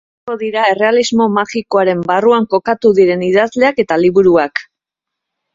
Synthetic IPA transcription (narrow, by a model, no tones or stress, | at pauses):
o̞ðiɾae̞re̞alizmo̞maɣiko̞aɾe̞mbaruaŋko̞kat̪uðiɾe̞niðazle̞ake̞t̪aliβuɾuak